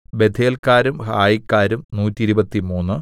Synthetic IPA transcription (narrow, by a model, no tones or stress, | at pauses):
be̞d̪ʱʰeːlkaːɾumhaːjikːaːɾumnuːtːiɾubɐt̪ːimuːnːɨ